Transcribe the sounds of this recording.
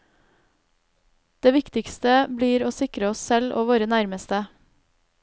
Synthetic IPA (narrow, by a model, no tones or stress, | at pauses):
d̪̥eːʋɪkt̪ɪkst̪əbliːɾoːsɪkɾəɔssɛlʔo̰ːʋoːɾənæɾməst̪ə